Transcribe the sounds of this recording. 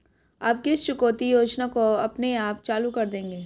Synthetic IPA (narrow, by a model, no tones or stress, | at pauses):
aːp̚keɪst͡ʃʊkoːt̪ijoːd͡ʒnakoɐpneaːpt͡ʃaːlukɐɾd̪ẽːŋɡeː